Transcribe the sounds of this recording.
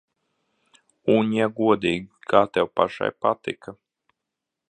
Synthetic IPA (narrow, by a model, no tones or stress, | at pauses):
uɲjaɡuɔd̪iːɡʲikʰaːt̪ɛwpa̰ʃa̰jpat̪ḭka